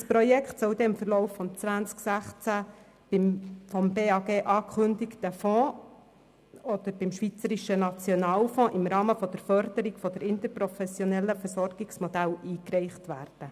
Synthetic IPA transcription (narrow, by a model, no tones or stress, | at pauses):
spɾɔjɛkʰt̪sɔʊd̪ɛɪmfəɾlɔʊfːɔmt͡sʋænt͡sksæχt͡sæ | b̥ɪmfɔmbeːɑɡeːʔɑːkʰχɵnd̪ɪktəfɔ̃ː | ɔd̪əɾb̥ɪmʃʋit͡səɾiʃənɑt͡sjɔnɑːlfɔ̃ːʔɪmɾɑːməfɔd̥̪əɾfœɾd̪̥əɾiɡfɔd̥̪ɛɾɪnt̪əɾpɾɔfɛsjɔnɛlːəfəɾsɔɾɡ̥ɪksmɔd̪æliːkrɛɪχtʋæːrd̥ə